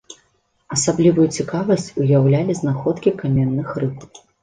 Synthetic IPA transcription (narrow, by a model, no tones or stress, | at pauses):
ɐsablʲivujut͡sʲikavɐsʲt͡sʲujawlʲalʲiznaxɔt̪kʲikamʲɛnːɨxrɨp